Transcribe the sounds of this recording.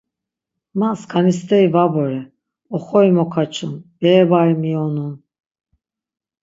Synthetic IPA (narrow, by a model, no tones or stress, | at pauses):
maskʰanist̪ɛivabɔɾɛ | ɔχɔjimɔkʰat͡ʃʰunb̥ɛːbaɾmiɔnun